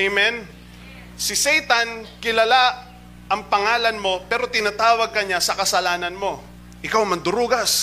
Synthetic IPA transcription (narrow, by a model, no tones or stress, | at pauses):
jmɛn | sɪsɛjt̪ankɪlɐla | ʔɐŋpɐŋaːlɐnmo̞pɛːɾo̞t̪ɪnat̪aːwɐɡ̚kɐɲasɐkɐsɐlaːnɐnmo̞ | ʔɪkawmɐnd̪ʊɾuːɡɐs